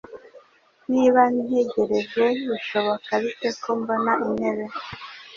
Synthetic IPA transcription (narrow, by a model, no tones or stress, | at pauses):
niːβaniheɟeɾeʒeβiʃo̞βokaβitekombonaʔineβe